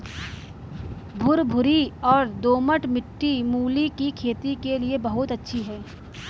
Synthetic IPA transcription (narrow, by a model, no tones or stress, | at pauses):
bʱʊɾbʱʊɾiɔːɾd̪oːməʈmɪʈːimuːlikikʰeːt̪ikeliebɐɦʊt̪ɐtːʃʰiɦɛ̃ː